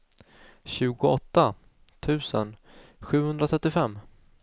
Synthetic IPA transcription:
ɕʉ̟ːɡʊɔt̪ːa | t̪ʰʉ̟ːsə̰n | ɧʉ̟ːhɵnd̪ɾat̪ʰɾɛt̪ːɪfɛmː

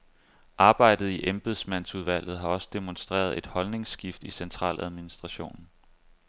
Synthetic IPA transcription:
ʔɑ̈ːb̥ɑ̈ɪ̰d̥ð̩ˠiʔemb̥e̝ðˠsmæn̰suð̞ˠʋæl̰ð̞̩ˠɦɑ̈ɒ̽sə̥d̥emonsd̥ʁḛːɐðˠe̝d̥hɒ̽lne̝ŋsɡ̥ifd̥isent͡sʰʁɑ̰̈ːlæð̞ˠminisd̥ʁɑ̈ɕo̝̰ːnn̩

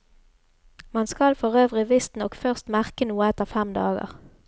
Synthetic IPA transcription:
mɑnskɑlfɔʁøːʋʁɪʋɪst̪nɔkfœʁst̪mæʁkənuːəɛt̪əʁfɛmd̪ɑ̰ːɡə̰ʁ

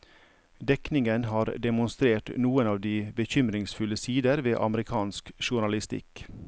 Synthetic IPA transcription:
d̪ɛknɪŋənɦɑːɾd̪ɛmʊnst̪ɾeːʈnuːənɑːʋd̪iːbəçʏmɾɪŋsfʉləsiːd̪əɾʋeːʔɑ̰məɾɪkʰɑːnskʃʊɳɑlɪst̪ɪ̰k

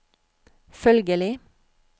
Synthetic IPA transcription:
fœlɡəlɪ

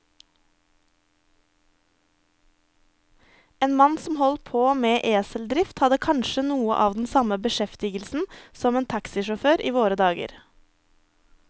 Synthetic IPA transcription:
eːnmɑnsɔmhɔlt̪̚pʰoːmeːʔeːsəl̩d̪ɾɪft̪hɑd̪əkʰɑnʃənuːə̰ʔɑːʋd̪n̩sɑməbəʃɛft̪ɪɡəl̩sn̩sɔmeːnt̪ʰɑksɪʃɔføːɾʔiːʋoːɾəd̪ɑːɡə̰ɾ

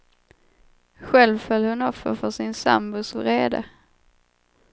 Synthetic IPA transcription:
ɧɛlvfœlːhɵnɔfːə̰ɾfœʂɪnsa̰mbʊsvɾeːd̪ə̰

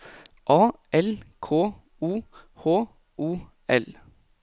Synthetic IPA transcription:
ʔɑːʔɛlkʰoː | uːhoː | uː | ʔɛl

